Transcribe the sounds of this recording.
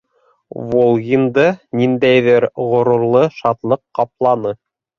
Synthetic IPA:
volˠɣʲind̪ɤnind̪æjðɘɾʁŏɾŭɾlˠɤʃɑt̪lˠɤqːɑplˠɑnɤ

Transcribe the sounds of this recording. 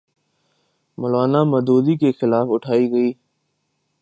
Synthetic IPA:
mʊlaːnamɐd̪oːd̪ikexɪlaːfʊʈʰaːiːɡɐiː

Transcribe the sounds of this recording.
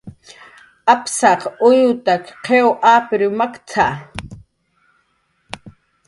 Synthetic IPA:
ʔapsɑqʊjʊt̪akqʰewʔaːpɪɾɪmakt͡sʰa

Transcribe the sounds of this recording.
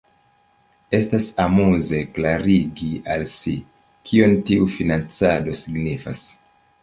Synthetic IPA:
e̞stasamuze̞klaɾiɡialsi | kʰio̞ntiufinant͡sado̞siɡnifa̰s

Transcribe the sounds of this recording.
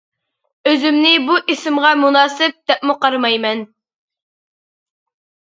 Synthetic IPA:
øzymnɪbuʔisɪmʁɑmunɑːsɨp̚d̪̥ɛp̚muqɑɾmɑjmɛn

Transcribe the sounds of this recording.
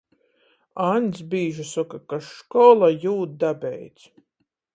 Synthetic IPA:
anʲsbiːʒusɔkakaʃkɔlˠajuːt̪̚d̪abʲɛjt̪sʲ

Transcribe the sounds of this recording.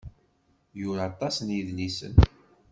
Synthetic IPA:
jʊɾat̪ˤɑsnjiðlisə̰n

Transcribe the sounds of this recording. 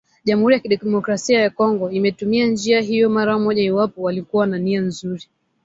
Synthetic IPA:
ʄam̩huɾijakiɗɛmɔkɾasiajakɔŋɡɔimɛtumiand͡ʒiaɦijɔmaɾamɔʄaiwapɔwalikuwananianzuɾi

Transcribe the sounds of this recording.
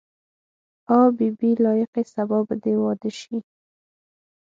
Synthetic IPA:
ɑbibilɑjɪqesabɑbd̪ewɑd̪əʃi

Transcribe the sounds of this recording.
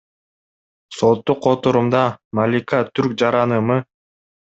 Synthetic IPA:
sot̪ːuqʰːot̪uɾumd̪ɑmalʲikat̪ʰyɾk̚d͡ʒɑɾɑnɯmɯ

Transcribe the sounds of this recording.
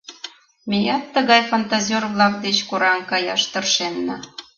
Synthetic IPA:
mʲejɑt̪ːə̆ɣɑjfont̪azʲorvlˠɑk̚d̪et͡ɕkoɾɑmkɑjɑ̰ʃt̪ɤrʃenːɑ

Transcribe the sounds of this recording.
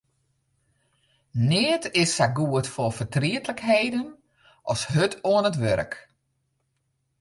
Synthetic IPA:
nɪətɪsaɡuətfofətriətləkheːdən | ʔɔshøtʰoənətʋøɾək

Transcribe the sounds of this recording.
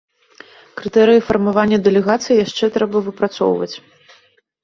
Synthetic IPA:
kɾɨt̪ɛɾɨjifɐrmavanʲːɐd̪ɛlʲɛɣat̪sɨjijaʂt͡ʂɛt̪ɾɛbɐvɨpɾat̪sɔ̰wvɐ̰t͡sʲ

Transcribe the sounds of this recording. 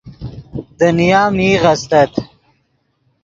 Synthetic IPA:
d̪ənijaːmiːʁɐst̪ɐt̪

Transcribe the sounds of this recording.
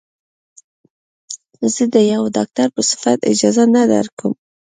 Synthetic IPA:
z̥əd̪əjawd̪ɑk̚t̪aɾpəsɪ̥fat̪ɪ̰d͡ʒɑzanad̪a̰ɾkəm

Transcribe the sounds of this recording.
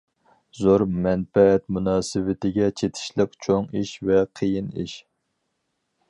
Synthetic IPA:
zoɾmɛnfɛɛt̪munɑːsɨvɪt̪ɪɡʲɛt͡ʃʰet̪ʰɪ̥ʃlˠəqt͡ʃʰoŋiʃvɛqʰəjinḭʃ

